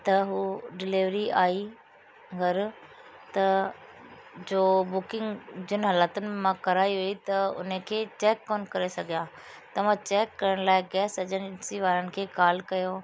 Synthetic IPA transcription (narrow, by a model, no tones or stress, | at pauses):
t̪ɐɦuːɖɪlɪʋɾiaːi | ɡʱɐɾ | t̪ɐ | d͡ʑoːbʊkɪ̃ŋɡd͡ʑɪnɪɦɐlaːt̪ʊnẽmãkɐɾaːiɦʊit̪ɐʊ̰n̤əkʰeːt͡ɕeːkːoːnkɐɾesɐɡʱijãː | t̪ɐʋ̤ãt͡ɕɛːkːɐɾəɽ̃laːɪɡɛːsɐd͡ʑənɪsiʋaːɾənɪ̆kʰeːkaːlkɐjo